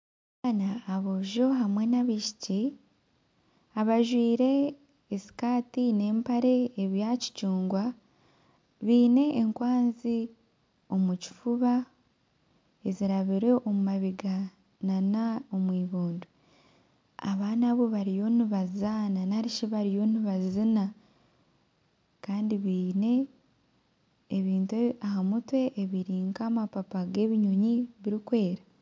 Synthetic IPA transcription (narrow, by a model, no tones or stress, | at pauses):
βanaːβoʒo̞ɦamwe̞naβiʃi̥ci | aβaʒwiːɾe̞ː | si̥kaːtine̞ːmpaɾe̞ːβjaci̥cuːŋɡwa | βiːne̞ːŋkwaːnzi | o̞muci̥fuβa | eziɾaβiɾe̞ʔo̞mumaβiɡa | nanao̞mwiːβuːndu | a̰βaːnaβo̞βaɾijo̞niβazzananaɾiʃiβaɾijo̞ːniβazzina | kaːndiβiːne̞ | βiːntuahamutwe̞ʔːβiɾiːŋkaːmapapaɡe̞βiɲoɲiβiɾikwe̞ːɾa